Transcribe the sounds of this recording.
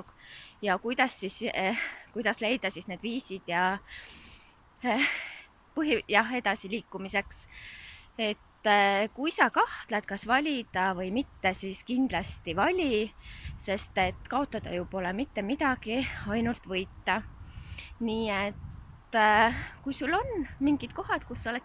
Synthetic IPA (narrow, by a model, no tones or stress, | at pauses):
kjɑkujd̪̥ɑsːis | kujd̪ɑsle̞jd̪̥ɑsisne̞ːd̪̥viːsid̪̥jɑ | pɤɦijɑɦe̞d̪̥ɑsiliːkːumise̞ks | e̞t̪ːˑkujsɑkɑht̪let̪̚kɑsvɑlʲid̪̥ɑvɤjmit̪ːe̞siskind̪̥lɑst̪ivɑlʲise̞st̪e̞t̪ːkɑo̞t̪ːˑɑd̪̥ɑ̰jupo̞lemit̪ːe̞mid̪̥ɑɡ̥iɑjnult̪vɤjt̪ːɑ | niːe̞t̪ː | kujsulːo̞nmiŋɡ̥id̪̥ko̞ɦɑd̪̥kusːolet̪ː